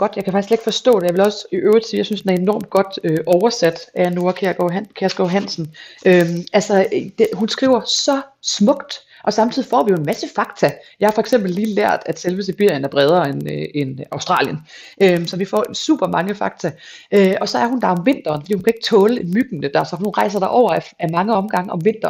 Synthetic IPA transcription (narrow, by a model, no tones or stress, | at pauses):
ɡ̥ɒ̽d̥jɑkʰæfɑ̈ɡ̥i̥sɡ̥le̝ɡ̥fɒ̽sd̥ɔ̰̽ːd̥e̝jɑ̈ʋelɒ̽siʔøːʊʁdsijɑ̈synsd̥enæɐe̝nɒɐ̰md̥̚ɡ̥ɒ̽d̥øʔɒʊɐsæd̥ʔæno̝ɐkʰe̥kʰeɐsɡ̥ɒɦæn̰sn̩ʔømælsɐd̥eɦunsɡ̥ʁḭːʊ̰ɐsɒ̽smɔ̽ɡ̥d̥ | ʔɒ̽sɑ̈mt͡sʰið̰ˠifɒ̰ːʋijo̝e̝nmæsəfɑ̈ɡ̥t͡sʰæjɑ̈ɪhɑfɒ̽eɡ̥sem̰b̥l̩lːiːlæɐ̰d̥æd̥selʋəseb̥yɐ̰jənæɐb̥ʁɛð̞ˠɐenenɑ̈ʊsd̥ʁɑ̰̈ːljənʔøsɒ̽ʋifɒ̰ːsṵːb̥ɐmɑ̈ŋəfɑ̈ɡ̥̚t͡sʰæʔøʔɒ̽sɒ̽æɐhund̥ɑ̈ɒ̽mʋe̝n̰d̥ɐːnfɒd̥ḭːhunkʰæe̝ɡ̥ə̥t͡sʰɔːləe̥myɡ̥n̩ːəd̥æsɒ̽hunʁɑ̈ɪs̬ɐd̥ɑ̈ʔɒʊ̰ɐæmɑ̈ŋəɒ̽mɡ̥ɑ̈ŋəɒ̽mʋe̝n̰d̥ɐ